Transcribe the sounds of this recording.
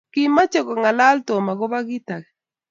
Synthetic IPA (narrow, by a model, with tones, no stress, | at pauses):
ki˦ma˦t͡ʃɔ˦kɔ˨ŋa˨la˦lto˨ma˨ɡo˦ba˦ɡi˦ta˨kɛ˨